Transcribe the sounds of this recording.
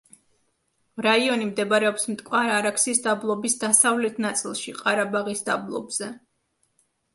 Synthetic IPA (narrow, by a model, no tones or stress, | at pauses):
ɾaiɔnimd̪ɛbaɾɛɔpsmt̪ʼkʼwaɾaɾakʰsisd̪ablˠɔbisd̪asavlɛt̪ʰnat̪sʼilˠʃiqʼaɾabaʁisd̪ablˠɔ̰bz̥ɛ